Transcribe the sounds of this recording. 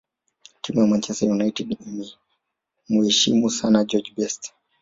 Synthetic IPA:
timujamant͡ʃɛstajunaitɛdimi | muhɛʃimusanad͡ʒɔd͡ʒbɛst

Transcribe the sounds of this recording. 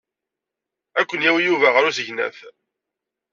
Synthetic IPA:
ækʷːənjæwijuvæʁəɾusəʝnæ̰θ

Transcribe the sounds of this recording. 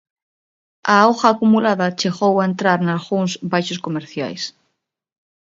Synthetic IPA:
aoxaːkumulaðat͡ʃeɣowaent̪ɾaɾnalɣuŋzbajʃoskomeɾθja̰js

